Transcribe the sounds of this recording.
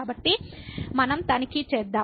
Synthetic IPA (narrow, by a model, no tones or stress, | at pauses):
aːbɐʈːimɐnɐmt̪ɐnikit͡ʃeːd̪ːaː